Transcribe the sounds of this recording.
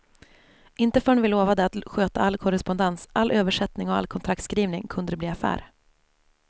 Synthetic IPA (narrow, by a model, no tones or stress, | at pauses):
ʔɪnt̪əfœːɛɳvɪloːvad̪əat̪ɧøːt̪aalːkʰɔɾɛspɔnd̪ɛnsʔalʔøːvəʂɛt̪nɪŋɔa̰lkʰɔnt̪ɾakt̪skɾiːvnɪŋkʰɵnd̪əɾɛbliːafæ̰ːɾ